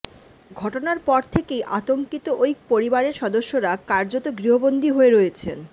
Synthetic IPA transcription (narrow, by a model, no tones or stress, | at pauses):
ɡʱɔʈonaɾpɔɾt̪ʰekejʔa̰t̪oŋkit̪oʔojk̚poɾibaɾeɾʃɔd̪oʃːoɾakaɾd͡ʑot̪oɡɾiɦobond̪ʱiɦoeɾojet͡ɕʰen